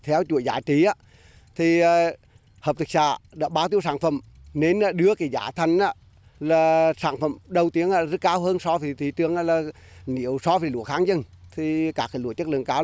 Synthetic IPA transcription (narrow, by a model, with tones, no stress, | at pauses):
t̪ʰɛ˨˧˦wt͡ɕṵ˧˨əjzaː˨˦t͡ɕi˨˦ʔaː˧˦ | t̪ʰiː˨˩˨ | həː˨˩p̚t̪ɨ˨˩k̚sa̰ː˧˩˨ɗa̰ː˧˥ɓaː˧˦wt̪i˧əwsaː˧˩nfə̰˧˩˨mne˧naː˧˩ɗɨ˨˧˦əkaː˨˦jzaː˧˩t̪ʰə˧jŋ̟ʔaː˧˦ | laː˨˩saː˧˩nfə̰˧˩mɗə˨˩wt̪i˨˦əŋʔaː˧zə˦˥t̚kaː˧wɦəː˧nsɔ˧və˨˦t̪ʰi˨˦t̪ɨ˨˧˩əŋʔaː˧˩laː˨˩ | nḭ˧˨əwsɔ˧və˨˦jlṵ˧˨əxaː˨˦ŋzə˧˩ŋt̪ʰi˨˩kaː˧˥kaː˨˩˦lṵ˧˨ət͡ɕə˦˥k̚lɨ̰˧˨ə˨ŋkaː˨˧˦w